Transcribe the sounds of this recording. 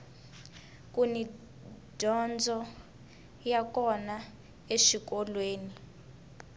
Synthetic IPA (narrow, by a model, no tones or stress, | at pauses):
kʼuni | d̥ʱɔnd͡zʱɔ | jakɔna | eʃik̬ɔlweːni